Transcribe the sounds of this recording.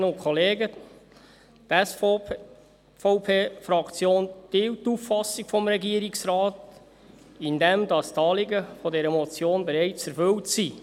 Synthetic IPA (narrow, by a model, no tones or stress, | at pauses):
nʊkʰχɔleːɡə | t̪ɛs | fɔʊpʰeːfɾɑkt͡sjoːnd̥ɪwtːufːɑsːiɡfɔmɾɛɡiəɾɪksɾɑːt | ɪndɛmdɑst̪ɑːlɪɡəfɔdɛɾəmɔt͡sjoːnbeɾɛɪt͡sɛɾfʏltsi